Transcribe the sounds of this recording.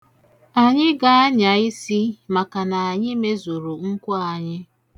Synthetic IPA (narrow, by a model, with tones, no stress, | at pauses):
a˨ɲɪ˦ɡa˨a˦ɲa˨i˦si˦ma˨ka˨na˨a˨ɲɪ˦me˦zo˨ɾo˨ŋ̩˦kʷɔ˦a˨ɲɪ˦